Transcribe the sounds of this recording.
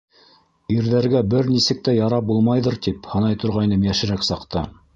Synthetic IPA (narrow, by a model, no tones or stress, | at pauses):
iɾðæɾɡæbɘɾnisɘ̆k̚t̪æjɑɾɑp̚bulˠmɑjðɤ̆ɾt̪iphɤ̆nɑjt̪ŏɾʁɑjnɤmjæʃɘ̆ɾæksɑqt̪ɤ